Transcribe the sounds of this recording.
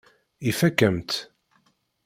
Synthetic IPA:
ifækːəmt̪

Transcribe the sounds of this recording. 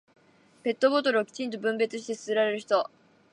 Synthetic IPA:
pe̞t̪ːo̞bo̞t̪o̞ɾɯ̟okʲi̥t͡ɕĩnt̪̬o̞bɯ̟̃mbe̞t͡sɨɕi̥t̪e̞sɨ̥sɨɾaɾe̞ɾɯ̟çi̥t̪o̞

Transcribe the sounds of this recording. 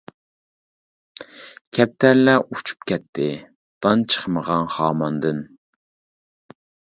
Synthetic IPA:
kʲʰɛp̚t̪ʰæɾlɛʔut͡ʃʰu̥p̚kʲɛt̪ʰːɪ | d̪̥ɑnt͡ʃʰə̥χməʁɑnχɑːmɑnd̪ɨn

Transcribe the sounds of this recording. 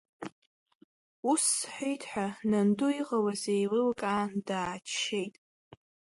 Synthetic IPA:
usħʷᶣejtʰʼħʷᶣananduiqʼawazejlɨlkʼaːndaːt͡ʃʃejtʼ

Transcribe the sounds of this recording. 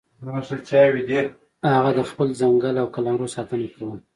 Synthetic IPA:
mosəlt͡ʃɑjwid̪eɾ | haɣad̪əxpəlzaŋɡəlawkalɑnɾosɑt̪ənakawəm

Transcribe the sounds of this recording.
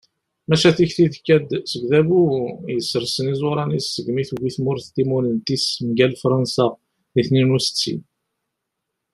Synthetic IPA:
mæʃæθiçθiðkːæd̪səɡðæbujəsəɾsənizˤʊɾˤɑnisːəɡmiθuviθmʊɾθt̪imulənt̪ismɡælfɾˤɑnsa | ðiθninusə̥t͡sːḭn

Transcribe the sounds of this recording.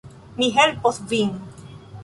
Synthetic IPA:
miɦɛlpɔθviŋ

